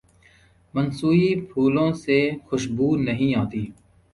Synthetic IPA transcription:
mənsuːipʰuːlõːsexʊʃbuːnɐɦĩaːt̪iː

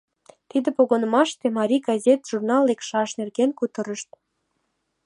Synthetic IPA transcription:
t̪id̪ĕpoɣonə̆mɑʃt̪emɑɾʲiɡɑzʲet̪ʒ̥urnɑlːekʃɑʃnerɣenkut̪ə̆ɾə̆ʃt̪

